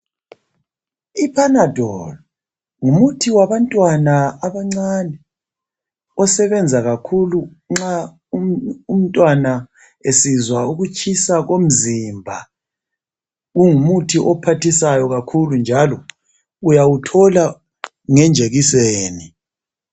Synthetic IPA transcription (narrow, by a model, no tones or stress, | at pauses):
ipʰanad̥ʱɔlɔ | ŋumutʰiwaβantʼwanaaβaŋ͡ǀanɛ | ɔsɛβɛnd͡zʱaɣakʰulu | ŋ͡ǁa | uum̩tʼwana | esizwauɣut͡ʃʼʰisaɣom̩zimbʱa | ɣuŋumutʰiʔɔpʰatʰisajɔɣakʰulund͡ʒʱalɔ | ujawutʰɔla | ŋɛnd͡ʒʱeɣiseːni